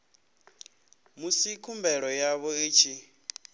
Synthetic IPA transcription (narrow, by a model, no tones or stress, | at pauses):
musikʰumbɛɺɔjaβɔiːt͡ʃʰi